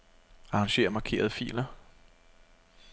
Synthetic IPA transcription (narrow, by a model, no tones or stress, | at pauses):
ɑ̈ʁɑ̈ŋɕe̝̰ːɐmɑ̈kʰe̝̰ːɐðˠəfḭːlɐ